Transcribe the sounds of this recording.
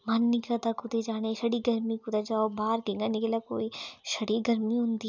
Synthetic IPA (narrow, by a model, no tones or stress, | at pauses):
manːɪkɾad̪akʊd̪ed͡ʒaːneʃɐɽiɡɐɾmikʊd̪ad͡ʒaːobaːɾkeŋɡanɪkelako̰ːiʃɐɽiɡɐɾmiɦʊ̃nd̪i